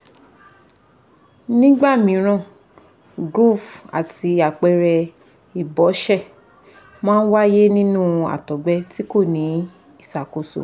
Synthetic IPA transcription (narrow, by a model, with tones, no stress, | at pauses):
nĩ˦ɡ͡ba˦˨mĩ˨˦ɾ̃ã˦˨ | ɡo˦˨fa̰˨ti˧a˨k͡pɛ˧ɾɛ˧ | i˨bɔ˨˦ʃɛ˦˨ | mãː˦n̩˦wa˦je˦nĩ˦nũ˦˨a̰˨tɔ˨ɡ͡bɛ˦ti˦ko˦˨nĩ˨˦ | i˦˨sa˨ko˨so̰˨